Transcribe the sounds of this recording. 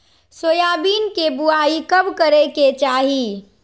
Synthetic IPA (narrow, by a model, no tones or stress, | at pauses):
sojaːbiːnkebuaːikəbkəɾeket͡ʃaːɦi